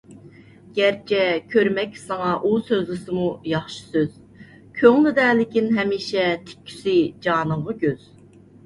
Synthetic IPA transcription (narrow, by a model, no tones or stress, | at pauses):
ɡ̥ʲɛɾt͡ʃʰɛkʲʰøɾmɛkʲsɑŋɑʔusøzlɨsɨmujɑχʃɨ̥søz̥ | kʲʰøŋlɪd̪ɛːlɪkʲinɦɛmiːʃɛt̪ʰɪ̥kʲʰːy̥sɪd͡ʒɑːnəmʁɑɡʲøz̥